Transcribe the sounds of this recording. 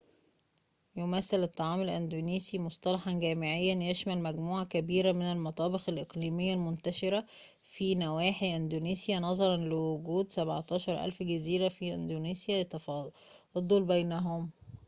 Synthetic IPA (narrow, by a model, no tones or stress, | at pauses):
jomæsːɪlet̪ˤːɑʕɑːmelʔænd̪uːniːsimosˤt̪ˤɑlɑħɑnɡæːmɪʕejːænjeʃmælmæɡmuːʕɑkæbiːɾæmɪnælmɑt̪ˤɑːbexælʔeqliːmɪjːælmont̪æʃɪɾæ | fiːnæwæːħiʔænd̪oniːsjænɑzˤɑɾˤɑnlɪwʊɡuːd̪sæbʕt̪ˤɑːʃɑɾˤʔæ̰lfɡæziːɾæfiʔɪ̰nd̪oniːsjæt̪ | d̪ˤolbæjnæɦom